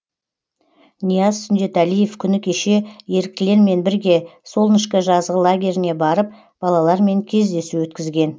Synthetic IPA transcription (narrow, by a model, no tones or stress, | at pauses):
nijɑzsʏnd̪e̞t̪ælije̞fkʲʰʏnɪkʲʰe̞ʃe̞je̞ɾk̚t̪ɪle̞ɾme̞nbɪɾɡʲe̞so̞lˠnɪʃkʲɪʒɑzʁəlˠaɡʲe̞ɾɪne̞bɑɾəp̚ | b̥ɑlˠɑlˠɑɾme̞ŋkʲʰe̞zd̪e̞suwɵt̪kʲɪzɡʲe̞n